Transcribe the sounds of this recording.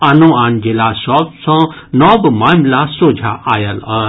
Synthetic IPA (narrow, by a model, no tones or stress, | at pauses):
ɐnõaːnd͡ʒelasɔːpsɔ̃ | nɔːbmaːmlasoːd͡ʒʱaʔaːjɐla